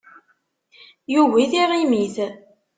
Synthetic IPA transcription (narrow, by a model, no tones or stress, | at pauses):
juwiθiʁimiθ